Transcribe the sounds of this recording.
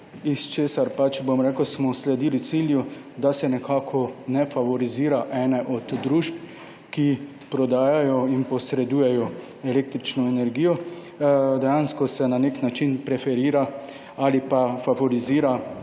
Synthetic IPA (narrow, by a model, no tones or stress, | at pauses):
ist͡ʃeːsaɾpat͡ʃbomɾɛːkəwsmɔslɛd̪iːlit̪silju | d̪asɛnɛkʰaːkʰɔnɛfaʋɔɾiziːɾaʔɛːnɛʔɔd̪d̪ɾuʒp | ki | pɾɔd̪aːjajɔinpɔsɾɛd̪uːjɛjɔ | ɛleːk̚t̪ɾit͡ʃnɔɛnɛɾɡiːjɔ | d̪ɛjanskɔsɛnaneknat͡ʃinpɾɛfɛɾiːɾa | aːlipafaʋɔɾiziːɾa